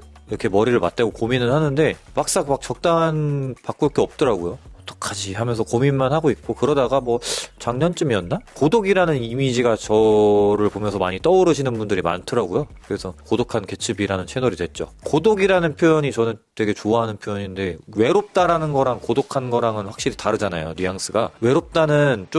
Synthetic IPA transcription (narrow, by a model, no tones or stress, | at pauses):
iɾʌkʰe̞mʌɾiɾɯɭma̰t͈̚eɡokominɯnhanɯnde̞mak̚s͈ak̚mak̚t͡ɕʌk̚t͈aɦanpak͈uɭk͈eʌp̚t͈ʌɾaɡojoʌt͈ʌ̥kʰad͡ʑiɦamjʌnsʰʌkominmanhaɡoik̚k͈okɯɾʌdaɡamwʌt͡ɕaŋɲʌnt͡ɕ͈umiʌnːakodoɡiɾanɯnimid͡ʑiɡat͡ɕʌɾɯɭpomjʌnsʰʌmaɲit͈ʌuɾɯɕʰinɯnbundɯɾima̰ntʰɯɾaɡujokɯɾe̞sʰʌkodokʰanke̞t͡ɕʰɯbiɾanɯnt͡ɕʰe̞noɾidwe̞t̚t͡ɕ͈o̰kodoɡiɾanɯnpʰjojʌɲit͡ɕʌnɯntwe̞ɡe̞t͡ɕoaɦanɯnpʰjojʌɲinde̞we̞ɾop̚t͈aɾanɯnɡʌɾaŋkodokʰanɡʌɾaŋɯnɸwak̚ɕ͈iɾitaɾɯd͡ʑana̰jo̰nijaŋs͈ʰɯɡawe̞ɾop̚t͈anɯnt͡ɕ͈om